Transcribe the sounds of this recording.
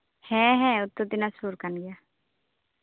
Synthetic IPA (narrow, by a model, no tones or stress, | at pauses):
hɛ̃ːɦɛ̃ːʊt̪ːod̪ɪnasuːɾkanɡɪja